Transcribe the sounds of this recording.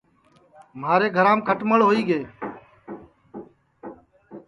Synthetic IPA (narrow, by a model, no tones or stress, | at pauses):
maːɾeːɡʱəɾãːmkʰəʈməɭɦoːiːɡeː